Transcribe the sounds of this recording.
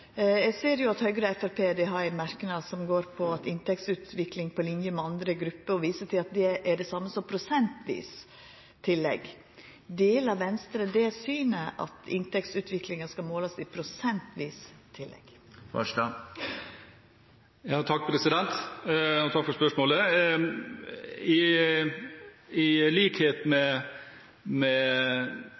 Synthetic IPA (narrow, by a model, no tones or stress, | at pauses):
ɛɡseːɾjʊɑt̪hœʏɡəɾəɛfæɾpʰeːd̪ɛɦɑɾɛɪnmæɾkənɑsɔmɡoːɾpʰɔɑt̪ɪnt̪ʰɛkt̪sʉːt̪ʋɪklɪŋpʰɔlɪnjəmɛɑnd̪ɾəɡɾʉpːəɾɔʋiːsəʈʰɪlɑt̪̚d̪ɛʔæɖɛsɑmːəsɔmpʰɾʊsɛnt̪ʰʋḭːs | t̪ʰːɪlːɛ̰ɡ | d̪eːlɑʋʋɛnst̪ɾəd̪ɛsyːnəʔɑ̰t̪ɪ̰nt̪ɛkt̪sʉːt̪ʰʋɪklɪŋɑskɑmoːlɑsɪpʰɾʊsɛnt̪ʰʋiːst̪ʰːɪlːɛ̰ɡ̥ | ʋɑ̰ʂɑ | jɑːt̪ʰɑk̚ːpʰɾɛsɪd̪ɛnt̪ɔt̪ʰɑkfɔɾspœʂmoːlə | ɪ | ɪliːkheːt̪mɛ | mɛ